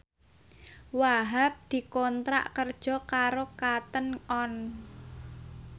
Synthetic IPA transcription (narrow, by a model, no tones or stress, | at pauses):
waɦap̚d̪̥i̤kɔnt̪ɾa̰ʔkərd̥ʒ̥ɔ̤kaɾokat̪ənɔn